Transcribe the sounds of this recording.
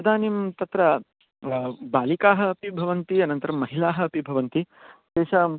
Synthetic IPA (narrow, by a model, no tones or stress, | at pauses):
ɐd̪ʱaːnimt̪ɐt̪ɾɐ | baːlikaːɦɐːpibʱɐʋɐnt̪iɐnɐnt̪ɐɾɐmːɐɦilaːɦɐɐpibʱɐʋɐnt̪i | d̪eːʃɐ